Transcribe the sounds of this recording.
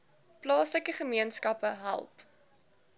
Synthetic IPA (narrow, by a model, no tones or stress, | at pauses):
plɑːsləkəχəmiənskɐpəɦæ̰lˠp